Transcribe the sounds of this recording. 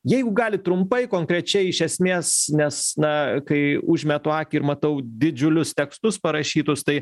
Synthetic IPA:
jɛɪɡʊɡɑːlʲɪt̪ɾʊmpɐɪkoːŋkɾʲɛt͡ʃʲɛɪɪʃʲɛsʲmʲeːsnʲɛsnɐkɐɪʊʒʲmʲɛt̪oɑːkʲɪɪɾmɐt̪ɐʊd̪ʲɪd͡ʒʲʊlʲʊst̪ʲɛkst̪ʊspɐɾɐʃʲiːt̪ʊst̪ɐɪ

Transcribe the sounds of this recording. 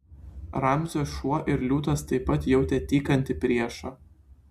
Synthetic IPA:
ɾɐmʲzʲoːʃuɔʔɪɾlʲuːt̪ɐst̪ɐɪpːɐt̪jɛʊt̪ʲet̪ʲiːkɐnʲt̪ʲɪpʲɾʲiɛʃɑː

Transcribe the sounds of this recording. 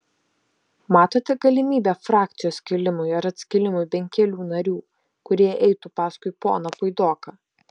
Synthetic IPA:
mɑːt̪oːt̪ʲɛɡɐlʲɪmʲiːbʲɛːfɾɑːk̚t̪ʲɪjoːskʲɪlʲɪmʊjɐɾɐt̪ʲsʲkʲɪlʲɪmʊjbʲɛŋʲkʲɛlʲuːnɐɾʲuː | kʊɾʲiɛʔɛɪt̪upɑːskʊɪpo̰ːnɐpʊɪd̪oːkɑ

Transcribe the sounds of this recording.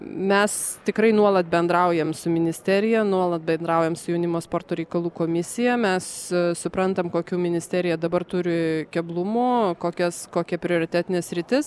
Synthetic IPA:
mʲɛst̪ʲɪkɾɐɪnuɔlˠɐt̪̚bʲɛnd̪ɾɐʊjɛmsʊmʲɪnʲɪsʲt̪ʲæːɾʲɪjɛnuɔlˠɐt̪̚bʲɛnd̪ɾɐʊjɛmsʊjɛʊnʲɪmoːspoːrt̪oːɾʲɛɪkɐlˠuːkoːmʲɪsʲɪjɛmʲɛssʊpɾɐnt̪ɐmkoːkʲuːmʲɪnʲɪsʲt̪ʲæːɾʲɪjɛd̪ɐbɐrt̪ʊɾʲɪkʲɛblˠʊmoːkoːkʲɛskoːkʲɛpʲɾʲɪoːɾʲɪt̪ʲæːt̪ʲɪnʲeːssʲɾʲɪt̪ʲɪs

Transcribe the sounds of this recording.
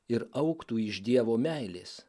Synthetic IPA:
ɪɾɐʊkt̪uːɪʒd̪ʲiɛʋoːmʲæɪlʲeːs

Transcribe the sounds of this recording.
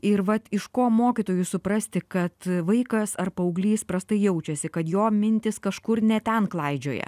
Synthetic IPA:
ɪɾʋɐt̪ɪʃkoːmoːkʲɪt̪oːjʊsʊpɾɐsʲt̪ʲɪkɐt̪ʋɐɪkɐsɐrpɐʊɡlʲiːspɾɐst̪ɐɪjɛʊt͡ʃʲɛsʲɪkɐt̪joːmʲɪnʲt̪ʲɪskɐʃkʊɾnʲɛt̪ʲɛnklˠɐɪd͡ʒʲo̰ːjɛ̰

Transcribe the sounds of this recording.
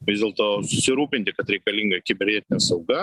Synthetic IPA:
ʋʲɪzd̪ʲeːlˠt̪oːsʊsʲɪɾuːpʲɪnʲt̪ʲɪkɐt̪ɾʲɛɪkɐlʲiŋɡɐkʲɪbʲɛɾʲnʲɛt̪ʲɪnʲɛɐsɐʊɡɐ

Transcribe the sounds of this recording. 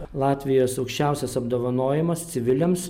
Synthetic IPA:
lˠɑːt̪ʲʋʲɪjoːsɐʊkʃʲt͡ʃʲæˑʊsʲɛsɐbd̪oːʋɐnoːjɛmɐst̪sʲɪʋʲɪlʲɛms

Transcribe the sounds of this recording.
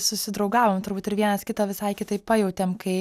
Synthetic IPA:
sʊsʲɪd̪ɾɐʊɡɑːʋoːmt̪ʊɾbuːt̪ɪɾʋʲiɛnɐskʲɪt̪ɐʋʲɪsɐɪkʲɪt̪ɐɪpɐjɛʊt̪ʲɛmkɐɪ

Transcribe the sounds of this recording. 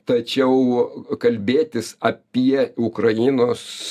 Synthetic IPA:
t̪ɐt͡ʃʲɛʊkɐlʲbʲeːt̪ʲɪsɐpʲiɛʊkrɐjɪːnoːs

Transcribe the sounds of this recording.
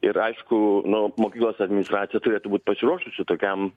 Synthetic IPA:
ɪɾɐɪʃkʊnʊmoːkʲiːklˠoːsɐd̪ʲmʲɪnʲɪst̪ɾɑːt̪ʲɪjɛt̪ʊɾʲeːt̪ʊbuːt̪̚ʲpɐsʲɪɾuɔʃʊsʲɪt̪oːkʲɛm

